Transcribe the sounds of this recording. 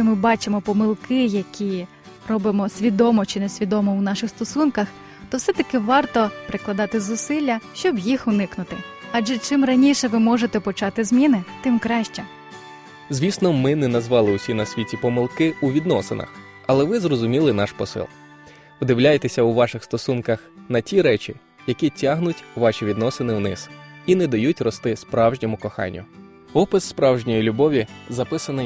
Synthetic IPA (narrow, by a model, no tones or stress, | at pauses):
ɪmɪbɑt͡ʃemɔpɔmɪlˠkɪjɐkʲi | rɔbɪmɔsʲʋʲid̪ɔmɔt͡ʃɪnɛsʲʋʲid̪ɔmɔwnɑʃɪxst̪ɔsunkɐx | t̪ɔwsɛt̪ɐkɪʋɑrt̪ɔpɾɪklˠɐd̪ɑt̪ɪzʊsɪlʲːɐʃt͡ʃɔbjixʊnɪknʊt̪ɪɑʒɛt͡ʃɪmrɐnʲiʃɛʋɪmɔʒet̪ɛpɔt͡ʃɑt̪ɪzʲmʲinɪt̪ɪmkɾɑʃt͡ʃɛ | zʲʋʲisnɔmɪnɛnɐzʋɑlˠɪusʲinɐsʲʋʲitʲipɔmɪlˠkɪuʋʲid̪nɔsḛnɐ̰x | ɐlˠɛʋɪzrɔzʊmʲilˠɪnɑʃpɔsɪ̰lˠ | pd̪ɪwlʲajet̪esʲɐuʋɑʃɪxst̪ɔsunkɐxnɐtʲiɾɛt͡ʃʲi | jɐkʲitʲaɦnʊtʲʋɑʃʲiʋʲid̪nɔsenɪwnɪsinɛd̪ɐjutʲrɔst̪ɪspɾɑwʒnʲimʊkɔxɑ̰nʲːʊ̰ | ɔpɪsːpɾɑwʒnʲɔjilʲubɔʋʲizɐpɪsɐnɪ